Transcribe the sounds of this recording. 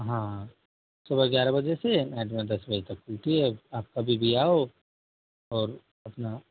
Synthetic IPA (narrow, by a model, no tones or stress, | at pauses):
ɦã | sɐbʱəɾɡʲjaːɾabɐd͡ʒesenɛ̃ːʈmẽd̪ɐsbɐd͡ʒet̪ɐkt͡ʃuːʈiɦɛaːp̚kabʱibʱiaːo | ɔːɾ | ɐpna